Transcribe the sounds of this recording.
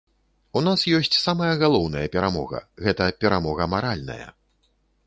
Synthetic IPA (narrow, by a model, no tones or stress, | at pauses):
un̪asjɔsʲt͡sʲsamɐjɐɣalˠɔwnɐjɐpʲɛɾamɔɣɐ̰ɣɛt̪ɐpʲɛɾamɔɣɐmaɾalʲnɐ̰jɐ̰